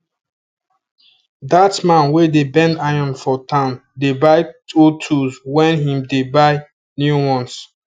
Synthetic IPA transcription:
datmãnwedebɛ̃ndaɪɔ̃nfɔtʰãʊndebaɪtotʰuswɛ̃nɦĩmdebaɪ | njuwɔ̃ns

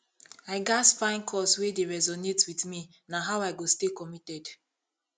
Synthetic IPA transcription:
aɪɡasfãɪ̃nkʰɔswedeɹɛzɔnetwiθmi | naɦawaɪɡostekɔmitɛd

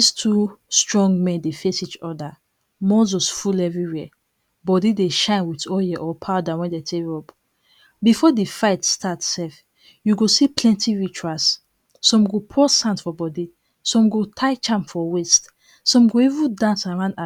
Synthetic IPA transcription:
istʰustɹɔ̃ŋɡmɛ̃ndefesit͡ʃɔda | mɔzosfulɛvɹiwɛ | bɔdideʃãɪ̃nwitɔjɛʔɔpʰaʊdawɛ̃ndetʰeɔp | bifɔdifaɪtstʰatsɛf | juɡosiplɛ̃ntiɹit͡ʃuasː | ɔ̃mɡopʰɔsãntfɔbɔdi | sɔ̃mɡotʰaɪt͡ʃãmfɔwest | sɔ̃mɡoivũndãnsaɹãna

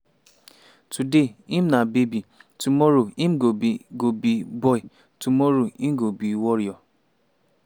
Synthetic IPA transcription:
tudeim̩nabebitumɔɾoim̩ɡobiɡobibɔi | tumɔɾoim̩ɡobiwɔɾjɔ

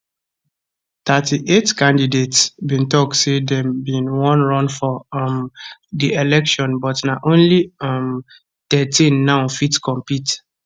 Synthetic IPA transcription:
tatiʔetkãndidetsbĩntɔk̚tsedɛmbĩnwɔ̃nɹɔ̃nfɔmdielɛkʃɔ̃nbɔtnaʔõnliɔm | tɛtĩnːãʊfitkɔ̃mpit

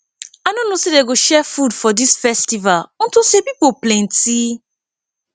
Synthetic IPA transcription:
anõnosedeɡoʃɛfudfɔdisfɛstivalñ̩tosepipoplẽn̩ti

